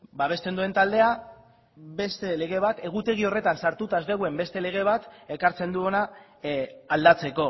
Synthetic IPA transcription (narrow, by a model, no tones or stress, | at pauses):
baβ̞e̞st̪e̞nd̪ue̞nt̪ald̪e̞a | be̞st̪e̞le̞ɣ̞e̞β̞at̪e̞ɣ̞ut̪e̞ɣ̞io̞re̞t̪ansaɾt̪ut̪azd̪eɣwe̞mbe̞st̪e̞le̞ɣ̞e̞β̞at̪e̞kaɾt͡se̞nd̪uo̞na | ald̪at͡se̞ko̞